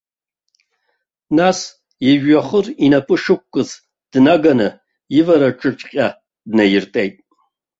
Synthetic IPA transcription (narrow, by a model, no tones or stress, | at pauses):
nas | jɪʒᶣaχərinapʼɨʂɨkʷʼkʼːɨz | d̥naɡanɨ | jɪvɐɾaʈ͡ʂʼɨʈ͡ʂʼqʲʼa | dnɐjɪrtʼejtʼ